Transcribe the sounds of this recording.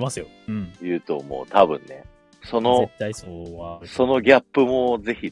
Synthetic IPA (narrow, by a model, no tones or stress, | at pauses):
masɨjo | jɯ̟ːt̪o̞mo̞̰ːt̪abɯ̟̰̃nːe̞ | so̞no̞ | so̞no̞ɡʲapːɯ̟mo̞ze̞çi